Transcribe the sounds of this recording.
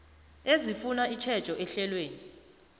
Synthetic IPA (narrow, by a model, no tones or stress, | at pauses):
ezifunait͡ʃʰɛd̥t͡ʃʼɔʔɛɬɛlweːni